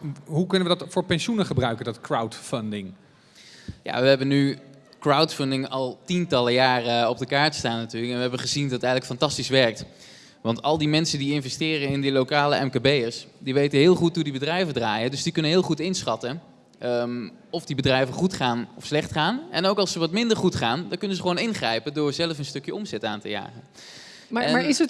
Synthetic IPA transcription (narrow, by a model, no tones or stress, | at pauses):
ɦukɵnəʋədɑtfʊːɹpɛnʃunəχəbrœɥkəndɑtkɹawtfəndɪŋ | ja̰ʋəɦɛbənykrawtfəndɪŋɑlˠtintɑləjaːrəɔb̚dəkaːɹtstaːnːatyːɹləkɛnʋəɦɛbəχəzindɑtɛjχələkfɑntɑstisʋɛɹk̚t | ʋɑntɑlˠdimɛnsədiɪnvɛstɪːrəɪndəlowkaːləʔɛmkabejəsdiʋejtəɦɪːlˠχutɦudibədrɛjvədraːjədɵzdikɵnənɦɪːlˠχutɪnsχɑtə | m | ɔvdibədrɛjvəχutχaːnɔfslɛχtχaːnɛnowkɑlˠsəʋɑtmɪndəɹχutχaːndɑkɵnəzəχəʋownɪnχrɛjpəndʊːɹzɛləfənstɵkjəɔmzɛtaːntə̰ja̰ːχə | maaːɪsə